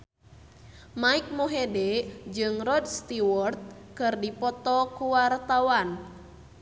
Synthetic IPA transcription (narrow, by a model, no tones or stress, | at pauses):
maik̚moɦedɛd͡ʒɨŋrɔdst̪iwɔrt̪̚kɨrdipɔt̪ɔkuwart̪awan